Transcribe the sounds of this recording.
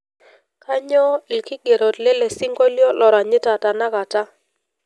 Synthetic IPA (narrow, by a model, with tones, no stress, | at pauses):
ka˦ɲɔ˦i˨lkɪ˦ɡe˨ɾo˨dle˦le˨si˦ŋɡo˦ljɔ˦lɔ˨ɾa˨ɲɪ˦ta˨ta˨na˦ka˨ta˦